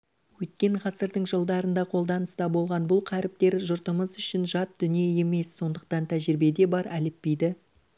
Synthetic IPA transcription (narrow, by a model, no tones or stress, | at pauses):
wɵt̪̚kʲe̞ɴʁɑsəɾd̪əɴʒəlˠd̪ɑɾənd̪ɑqʰo̞lˠd̪ɑnəst̪ɑbo̞lˠʁɑnbʊlˠqʰæɾɪp̚t̪e̞ɾʒʊɾt̪əməzʏʃɪnʒɑt̪̚d̪̥ʏnije̞je̞me̞sːo̞nd̪əq̚t̪ɑnt̪ʰæʒɪɾɪbe̞d̪e̞bɑɾælɪpːejd̪ɪ